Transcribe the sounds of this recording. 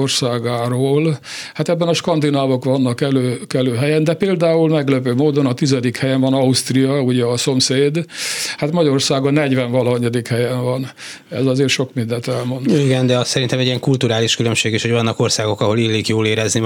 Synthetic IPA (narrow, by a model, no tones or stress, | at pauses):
orsaːɡaːɾoːlhat̪ɛbːɛnɒʃkɒnd̪inaːvo̞kʋɒnːɒkɛløːkɛløːɦɛjɛnd̪ɛpeːld̪aːulmɛɡløːpøːmoːd̪onɒt̪izɛd̪ikhɛjɛɱvɒnɒust̪rijɒuɟɛɒso̞mseːd̪hat̪mɒɟɒɾorsaːɡɒnɛɟʋɛɱvɒlɒɦɲːɒd̪ikhɛjɛɱvɒn | ɛ̰zɒzeːrʃo̞kmind̪ɛnt̪ɛlmo̞nt̪iɡɛnd̪ɛɒssɛɾint̪ɛmɛɟːiɛŋkult̪uɾaːliʃkylømʃeːɡiʃhoɟvɒnːɒko̞rsaːɡo̞kɒɦo̞lilːiːkjoːleːɾɛzni